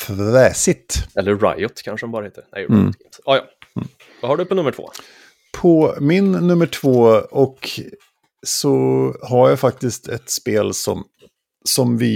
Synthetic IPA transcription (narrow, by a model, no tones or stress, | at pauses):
fɾɛːsɪt̪ɛlːəːa̰jʊt̪kʰanʂəɔmbɑːɾaheːt̪əɾnɛ̰j̪ḭnt̪ɑːjɑ | vahaɖɵpʰɔnɵmːəʈʰvo̰ː | pʰɔmɪnːɵmːəʈʰv̥oːɔk | sɔhaɾjafak̚t̪ɪst̪ʰɛt̪speːlsɔ̰m | sɔmvɪ